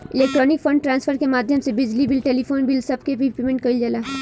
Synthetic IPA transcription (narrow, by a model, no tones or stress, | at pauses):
ɪleːkʈɾɔːnɪkfʰɐ̃ɳɖʈɾãːnsfpəɾkemaːd̪ʱjəmsebɪd͡ʒlibɪlʈeːlipoːnbɪlsɐb̚kebʱipeːmẽɳʈ̚kɐild͡ʒɐlaː